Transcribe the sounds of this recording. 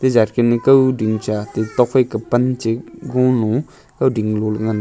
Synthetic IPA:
t̪eɦd͡ʑarkenikawɖ͡ʐiŋt͡ɕat̪et̪oχwekəpant͡ɕəɡoŋlõ | kawɖ͡ʐiŋlolŋan

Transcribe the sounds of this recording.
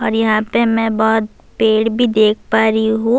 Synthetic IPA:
ɔːɾjɐɦãpemɛ̃bɔːʊt̪̚ | peːɽbʱid̪eːk̚ʰpaːɾiɦũ

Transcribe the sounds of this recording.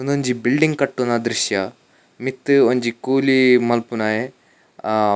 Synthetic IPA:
und̪oɲd͡ʒibilɖiŋɡkɐʈːunad̪ɾiʃjɐ | mit̪ːɨoɲd͡ʒikuːlimɐlpunaːje

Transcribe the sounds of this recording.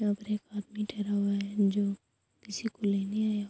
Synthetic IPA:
ɐbɾeːkaːd̪miʈʰɐɾaɦuaɛd͡ʒoː | kɪsikoleːneaːja

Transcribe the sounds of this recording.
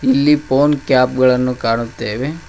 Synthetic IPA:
ilːipoːnkjaːpɡɐɭɐnːukaːɳut̪ːeːʋe

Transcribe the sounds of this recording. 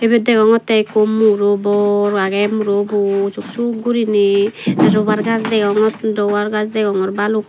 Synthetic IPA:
ɛbɛd̪ɛɡɔŋɔt̪ɛkomːuɾobɔɾɡaɡɛmuɾobut͡ʃukt͡ʃuɡuɾiniɛɾɔβaɾɡazdɛɡɔŋɔtdɔwaɾɡazdɛɡɔŋɔɾbaluk

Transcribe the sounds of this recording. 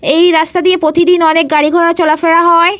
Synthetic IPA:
ejɾast̪ad̪iepɾot̪id̪inɔnek̚ɡaɽiɡʱɔɽat͡ɕɔlafeɽaɦɔe

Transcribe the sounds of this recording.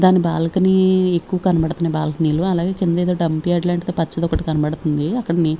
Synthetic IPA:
d̪aːnibaːlɐkɐniekːuʋɐkɐnɐbɐɽɐt̪unɐːbaːlɐkɐniːluɐlaːɡe̞ːkind̪ɐeːd̪oːɖɐmpiɐɖlaːɳʈt̪oːpɐt͡ʃːɐd̪ɔkɐʈukɐnɐbɐɽut̪und̪iɐkːɐɽɐni

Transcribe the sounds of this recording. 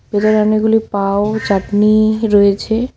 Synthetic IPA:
bed̪aɾaneɡulipaot͡ɕaʈniɾɔjet͡ɕʰe

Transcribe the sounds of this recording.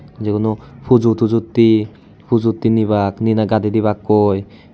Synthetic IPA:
d͡ʒekunupʰud͡ʒut̪ud͡ʒut̪ːi | pʰud͡ʒut̪ːinibakninaɡad̪id̪iβakːoj

